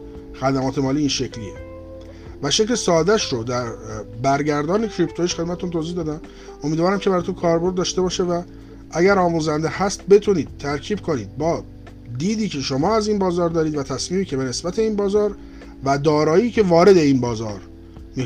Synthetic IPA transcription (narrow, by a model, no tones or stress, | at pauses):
xæd̪æmɒːt̪ʰe̞mɒːliːiːnʃecʰliḛ | væʃeclesɒːd̪æʃɾod̪æɾbæɾɟæɾd̪ɒːnecʰɾipʰt̪ʰojiʃxed̪mæt̪et̪unt̪ʰoːziːhd̪ɒːd̪æm | omid̪vɒːɾæmcʰeæɾɒːt̪ʰokʰɒːɾbo̞ɾd̪dːɒːʃt̪e̞bɒːʃe̞væ | ʔæɟæɾɒːmuːzænd̪ehæst̪̚be̞t̪ʰuniːd̪̥̚t̪ʰːæɾcʰiːbkʰo̞niːd̪̚bɒː | d̪iːd̪iːcʰe̞ʃo̞mɒːæziːnbɒːzɒːɾd̪ɒːɾiːd̪væt̪ʰæsmiːmiːcʰe̞be̞ne̞sbæt̪ʰe̞iːnbɒːzɒːɾ | væd̪ɒːɾɒːjiːcʰe̞vɒːɾe̞d̪e̞inbɒːzɒ̰ːɾ | mi